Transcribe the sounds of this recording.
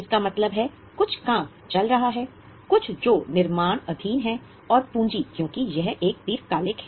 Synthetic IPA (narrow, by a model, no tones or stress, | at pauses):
ɪskamɐt̪ləbɦɛ | kʊt͡ʃʰkãːk | t͡ʃɐlɾɐɦaɦɛː | kʊt͡ʃʰd͡ʒoːnɪɾmaːɽ̃ɐd̪ʱiːnɦɛ | ɔːɾpũːɲd͡ʒikjõːkijɛɦeːk̚t̪iːɾkaːlɪkɦɛ